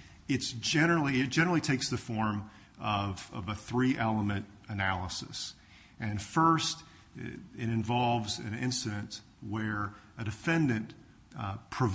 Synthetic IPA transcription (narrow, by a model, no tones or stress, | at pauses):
ɨtd̥ʒ̥ɛñə˞l̩ˠiɪt̚d̥ʒ̥ɛ̃nə˞l̩ˠitʰeɪksðɨfɔɹm | ʌvʌ̰vəθɹiʔɛlˠəmɨ̃ntɨnælˠəsɨs | ʔɨ̃nfɜ˞st | ɪɾɨ̃ɱvɑlˠvzɨ̃nɪ̰̃nsɨɾɨ̃nt | wə˞ | ɨdɨfɛ̃ndɨ̃n | pʰɹ̥ɨv